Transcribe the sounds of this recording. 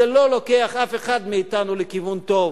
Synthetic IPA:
elo̞lo̞keaχafeχad̪miːt̪anulekivunt̪o̞v

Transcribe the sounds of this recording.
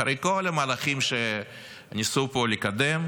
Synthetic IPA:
aɾejkolamaːlaχimʃe | nʲisupolikad̪em

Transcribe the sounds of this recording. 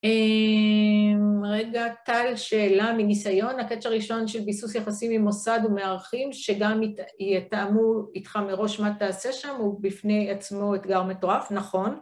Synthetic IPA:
e | mʁe̞ɡat̪alʃeːlaminisajo̞nake̞t͡ʃaʁiʃo̞nʃe̞lbisusjaχasimimo̞sadume̞aʁaχimʃe̞ɡamjet̪amuit̪χameʁo̞ʃmataːse̞ʃamubifne̞jat͡smo̞et̪ɡaʁme̞to̞ʁafnaχo̞n

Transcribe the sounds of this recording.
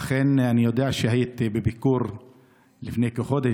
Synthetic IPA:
aχenanijo̞d̪eaʃehajit̪bebikuɾ | lifnejkeχo̞d̪e

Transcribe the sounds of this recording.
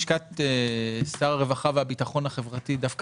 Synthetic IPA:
ʃkatesaʁaʁe̞vaχaveabitaχo̞nhaχe̞vʁatidafk

